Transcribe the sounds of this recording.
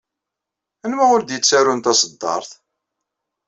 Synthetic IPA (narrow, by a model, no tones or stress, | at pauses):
ænmæʊɾd̪jət͡sːæɾʊnt̪ɑsəd̪ːɑ̰ɾˤθ